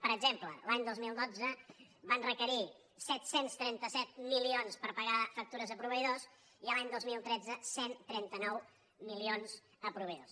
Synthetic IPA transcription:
pəɾəɡʒempləlaɲd̪ozmilˠd̪od͡zə | βanrəkəɾi | sɛt̪senst̪ɾɛnt̪əsɛt̪̚milionspəɾpəɣafək̚t̪uɾəzəpɾuβəjðos | iəlaɲd̪ozmilˠt̪ɾɛd͡zəsent̪ɾɛnt̪ənɔw | milionz̥ | əpɾuβəjðos

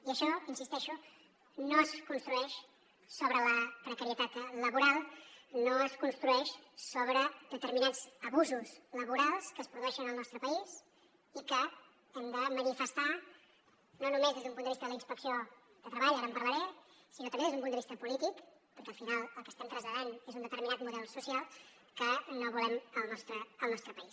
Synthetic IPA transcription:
iəʃɔinsist̪ɛʃu | noəskunst̪ɾuɛʃ | soβɾələpɾəkəɾiət̪at̪ləβuɾalˠnoəskunst̪ɾuɛʃsoβɾəd̪ət̪əɾminaz̥əβuzusləβuɾalˠskəːspɾuðuɛʃənəlˠnɔst̪ɾəpəiz | ikə | ɛmd̪əmənifəst̪a | nonumezðezðumpund̪əβist̪əðələinspəksio | d̪ət̪ɾəβaʎaɾəmpəɾrləɾɛsinot̪əmbeezðumpund̪əβist̪əpulit̪ikpəɾkɛəlˠfinalˠəlˠkə̥st̪ɛmt̪ɾəzʎəðanezund̪ət̪əɾminat̪muðɛlˠsusijalˠ | kənoβulɛməlˠnɔst̪ɾəəlˠnɔst̪ɾəpəis

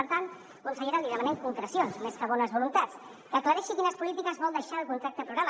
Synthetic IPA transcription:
əɾt̪ant̪ | kunsəʎeɾaliðəmənɛmkuŋkɾəsionsmeskəβɔnəzβulunt̪att͡s | kəkləɾɛʃikinəspulit̪ikəzβɔlˠd̪əʃaːlˠkunt̪ɾak̚t̪əpɾuɣɾamə

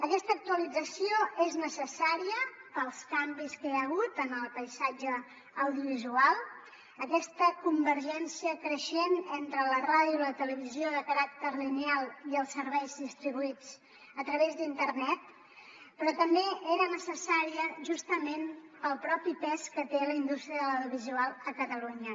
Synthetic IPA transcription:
əkɛst̪əːk̚t̪uəlid͡zəsioeznəsəsaɾiəpəlˠskambiskeəɣ̞ut̪ənəlˠpəjsad͡ʒəː | wðiuβizualˠ | əkɛst̪əkumbəɾʒɛnsiəkɾəʃenent̪ɾələraðjulət̪ələβizioðəkəɾak̚t̪əɾlinealˠiəlˠsəɾβɛjzðist̪ɾiβuit͡s | ət̪ɾəβezd̪int̪ərnɛt̪ | pɾɔt̪əmbeeɾənəsəsaɾiəʒust̪əmenpəlˠpɾɔpipɛskət̪eləind̪ust̪ɾiəðəlawðjuβizualˠəkət̪əluɲə

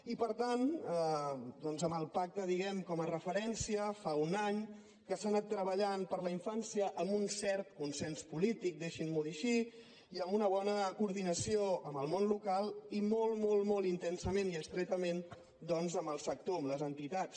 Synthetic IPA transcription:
ipəɾt̪an | d̪ɔnzəməlˠpak̚t̪əðiɣɛmkɔmərəfəɾɛnsiəfaunaɲ | kəsaːnat̪ːɾəβ̞əʎanpəɾləiɱfansiəʔəmbunsɛɾt̪kunsɛnspulit̪ik̚d̪eʃinmoiʃi | iəmbunəβ̞ɔnəkuɾðinəsioəməlˠmonlukalˠimolˠmolˠmolˠint̪ɛnsəmẽniəkst̪ɾet̪əmen | d̪ɔnzəməlˠsək̚t̪oəmləzənt̪it̪at͡ss

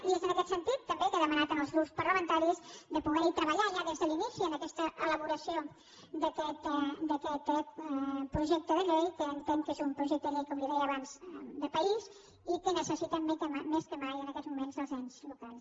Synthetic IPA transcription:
iezənəkɛt̪sənt̪it̪ːəmbekaðəmənat̪ənəlˠzɣɾupspəɾləmənt̪aɾizd̪əpuɣɛɾit̪ɾəβəʎaʒaðezðəlinisiənəkɛst̪əʔələβuɾəsio | d̪əkɛt̪d̪əkɛt̪ | pɾuʒɛk̚t̪əðəʎejkəːnt̪eŋkezumpɾuʒɛk̚t̪əðəʎejkomliðɛjəːβanzd̪əpəiz | ikənəsəsit̪əmːkəmameskəmajənəkɛzmumenzəlˠzaɲzlukalˠs

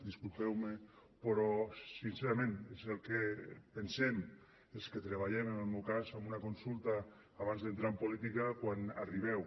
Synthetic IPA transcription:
d̪iskulˠpɛwme | pɾɔsinseɾamẽnezelˠkepensɛm | esket̪ɾeβ̞aʎɛmenelˠmewkazamunakonsulˠt̪aː | βanzðent̪ɾaempolit̪ikakwana̰riβ̞ɛw

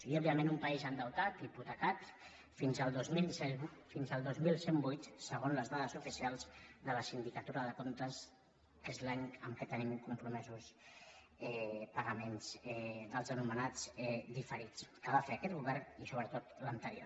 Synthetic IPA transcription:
səɣiaɔbiəmẽnumpaizənd̪əwt̪at̪iput̪əkat̪ | finzəlˠd̪ozmilˠsɛfinzəlˠd̪ozmilˠsembujt̪səɣ̞onləzðað̞əzufisialˠzðələsind̪ikət̪uɾəðəkont̪əs | ezlaɲəmkət̪ənimkumpɾumɛzus | ɛpəɣəmenz̥ɛd̪əlˠzənumənad͡zɛd̪ifəɾit͡skəβafeəkɛt̪̚ɣuβɛɾnisoβɾət̪ot̪lənt̪əɾio̰

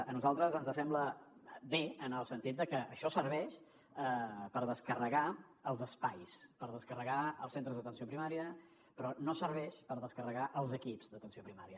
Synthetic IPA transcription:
ənuzalˠt̪ɾəzənzəsɛmbləbeənəlˠsənt̪it̪̚d̪əkəʔəʃɔsəɾβɛʃ | əpəɾðəskərəɣa | əlˠzəspajspəɾðəskərəɣaəlˠsent̪ɾəzðət̪ənsiopɾimaɾiə | pɾɔnosəɾβɛʃpəɾðəskərəɣaʔəlˠzəkipzðət̪ənsiopɾimaɾiə

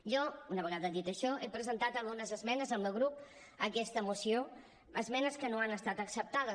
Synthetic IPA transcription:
ʒɔunəβəɣaðəðit̪əʃɔʔepɾəzənt̪at̪əlˠɣunəzəzmɛnəzəmbəɣɾup | əkɛst̪əmusio | əzmɛnəskənoanəst̪at̪əksəp̚t̪aðə

